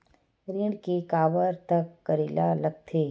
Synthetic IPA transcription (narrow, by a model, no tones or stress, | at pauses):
ɾiːɽkekaːʋəɾt̪ɐkːɐɾiːlalɐɡ̚t̪ʰeː